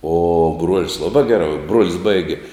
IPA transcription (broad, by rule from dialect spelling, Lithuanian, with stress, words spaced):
oː bruɔlʲsʲ ˈlˠɑːbɑː ˈɡʲæːrɑː bruɔlʲsʲ ˈbɐɪɡʲɪ